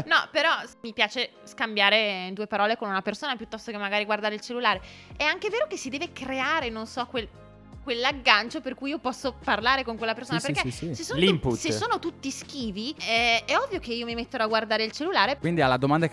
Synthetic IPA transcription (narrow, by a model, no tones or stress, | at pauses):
nɔpeɾɔmipjaːt͡ʃeskambjaːɾeid̪uːepaɾɔːlekonunapersoːnapjut̪ːɔst̪okemːaɡaːɾiɡward̪aːɾeilt͡ʃelːulaːɾe | ɛaŋkeveːɾokesːid̪ɛːvekɾeaːɾenonsɔkwel | kwelːaɡːant͡ʃoperkujiopɔsːoparlaːɾekoŋkwelːapersonaperkeisesoːlimput̪sesoːnot̪ut̪ːisk̟iːviɛɛɔvːjok̟eiːomimet̪ːeɾoaɡward̪aːɾeilt͡ʃelːulaːɾekwind̪ialːad̪omand̪a